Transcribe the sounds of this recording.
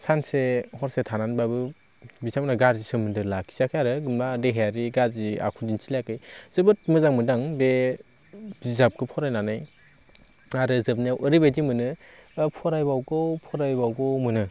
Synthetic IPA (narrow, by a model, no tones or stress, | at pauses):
sansehɔɾsetʰananbabɯ | bisamnaɡaɾzisɯmɯndɯlakʰi̥sakʰjaɾɯɡɯnbadeɦejaɾiɡaɾzia̰kʰudinsilakɯjz̥ɯbɯt̚mɯzaŋmɯdaŋbe | zizap̚kʰɯpʰɔɾajnanaj | aɾɯzɯb̚niawʔɯɾibedimɯnɯ | pʰɔɾajbawɡɔwpʰɔɾajbawɡɔwmɯnɯ